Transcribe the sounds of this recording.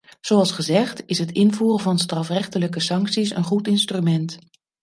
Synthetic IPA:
z̥oɑlˠsχəzɛχtɪsɦətɪnvuːrəvɑnstrɑfrɛχtələkəsɑŋksisə̰nχutɪnstrymɛnt

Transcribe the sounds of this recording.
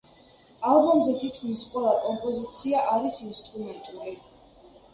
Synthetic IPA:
alˠbɔmzɛt̪ʰit̪ʰkʰmisqʼwɛlˠakʼɔmpʼɔzit̪sʰiaʔaɾisinst̪ʼɾumɛnt̪ʼuli

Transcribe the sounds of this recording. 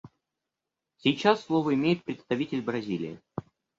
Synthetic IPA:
sʲijt͡ɕasːlˠovəɪmʲejɪt̪̚pɾʲɪt̪st̪ɐvʲitʲɪlʲbɾɐzʲilʲɪ̰jɪ̰

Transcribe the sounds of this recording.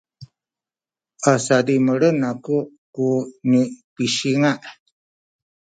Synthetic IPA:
asadiməɾənakuʔ | kunipiʃiŋaʔ

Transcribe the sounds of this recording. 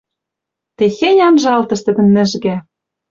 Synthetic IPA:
t̪exenʲɑnʒɑlt̪ɤ̆ʃt̪ɘ̆d̪ɘ̆nmɘ̆ʒɣæ

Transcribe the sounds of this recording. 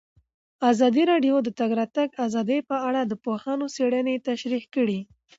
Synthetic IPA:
azɑd̪iɾɑɖjod̪ət̪aɡɾɑt̪aɡazɑd̪əjpəaɽad̪əpohɑnoseɽənet̪aʃɾihkəɽi

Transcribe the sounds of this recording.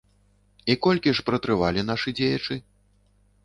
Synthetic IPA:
ikɔlʲkʲiʂpɾɐt̪ɾɨvalʲin̪aʂɨd͡zʲejɐt͡ʂɨ

